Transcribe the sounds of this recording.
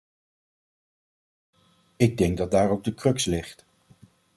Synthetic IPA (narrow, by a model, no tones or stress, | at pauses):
ɪɡ̚dɛŋɡ̚dɑt̚daːɹowɡ̚dəkrɵkslɪχt